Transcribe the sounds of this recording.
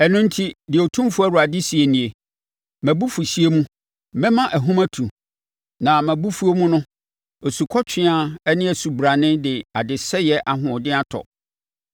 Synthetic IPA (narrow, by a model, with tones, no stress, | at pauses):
ɛ˨nʊ̃˦n̩˦tʰi˦dɪ˨o˨tʰũ˦fu˦æ˦ɾu˨a˨dɪ˦si˨e˨nĩ˨e˨ | mæ̃˨bu˦fu˨ɕi˦e˦mũ˦ | mɛ̃˦mã˦ʔæ˨ɦũ˦mæ̃˦tʰũ˨ | nã˨mæ̃˨bu˦fu˦o˦mũ˦nʊ̃˦ | o˨su˨kʰɔ˦t͡ɕᶣʰɪ̃˦a˦ɛ˦nɪ̃˦æ˨su˨bɾa˨nɪ̃˦dɪ˨a˨dɪ˨sɛ˦jɛ˦ʔa˨ɦʊ̃˨dɪ̃˦a˦tʰɔ̰˨